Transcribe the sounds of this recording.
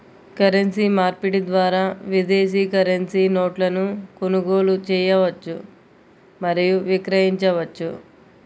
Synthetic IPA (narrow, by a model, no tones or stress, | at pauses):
kɐɾensiːmaːɾpiʈid̪ʋaːɾaːʋid̪eːs̬iːkɐɾɐnsiːno̞ːʈlɐnukunuɡoːlut͡ʃɛːjɐʋɐt͡ʃːu | mɐɾijuʋikɾɐɦiɲt͡ʃɐʋɐt͡ʃːu